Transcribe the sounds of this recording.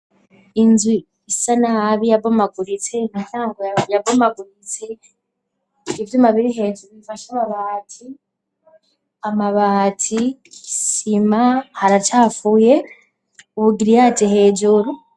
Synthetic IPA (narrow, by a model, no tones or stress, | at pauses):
inzwi | isanahaβijabomaɡuɾit͡se̞ŋasaːŋɡojajabomaɡuɾit͡se | ivjumaβiɾiɦe̞d͡ʒuɾuβifaʃaβaβatʰi | amaβatʰisimahaɾat͡ʃaːfuje̞ | uβuɡiɾijat͡ʃeɦe̞ːd͡ʒuɾu